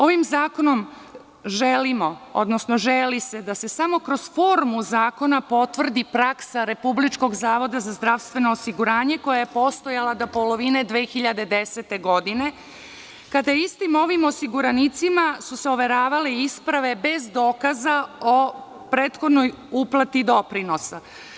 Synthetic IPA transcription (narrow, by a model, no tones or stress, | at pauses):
o̞ʋimzaːko̞no̞m | ʒelimo̞o̰d̪no̞sno̞ʒelise̞d̪ase̞samo̞kɾo̞z̥fo̞ɾmuzaːko̞napo̞t̪ʋr̩d̪ipɾaksaɾe̞publit͡ʃko̞ɡzaːʋo̞d̪azazd̪ɾaʋst̪vʋe̞noːsiɡuɾaːɲe̞ko̞jaje̞po̞st̪o̞jalˠad̪opo̞lo̞ʋine̞d̪ʋeːxiʎad̪e̞d̪e̞set̪eɡo̞d̪ine̞ | kad̪ajeist̪imo̞ʋimo̞siɡuɾanit̪simasuseoʋe̞ɾaːʋaleispɾaʋe̞be̞zd̪o̞ːkazao̞ | pɾeːt̪xo̞d̪no̞j | uplˠat̪id̪o̞pɾino̞sa